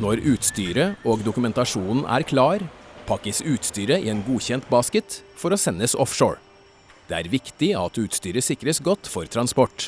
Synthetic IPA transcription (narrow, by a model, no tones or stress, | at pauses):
nɔɾʉːt̪st̪yːɾəoːɡd̪ʊkʉmɛnt̪ɑʂuːnn̩ʔæ̰ːɾkʰlɑːɾpʰɑkːəsʉːt̪st̪yːɾəɪ̰ɛnɡuːçɛnt̪bɑːskət̪fɔɾoːsɛnːəsɔ̰fʂo̰ːɹ | d̪̥ɛːæ̰ːɾʋɪkt̪ɪɑt̪ʉːt̪st̪yːɾəsɪkɾəsɡɔt̪ːfɔɾt̪ʰɾɑnspɔʈː